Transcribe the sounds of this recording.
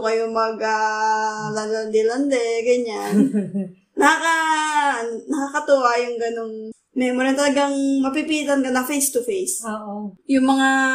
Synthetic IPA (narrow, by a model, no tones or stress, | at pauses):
kɐjomɐɡa | lɐland̪ɛlɐnd̪ɛɡɐɲanː | ɐkakɐ | nɐkakɐt̪uajʊŋɡɐnoŋ | mɛjmoɾɛnt̪ɐlɐɡaŋmɐp̬ipit̪ɐnkɐnɐfejst̪ʊfejsoʔojʊŋmɐŋa